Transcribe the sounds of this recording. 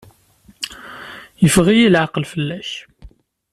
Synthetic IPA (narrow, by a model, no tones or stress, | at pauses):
jəfʁijilʕɑqəlfəlːæç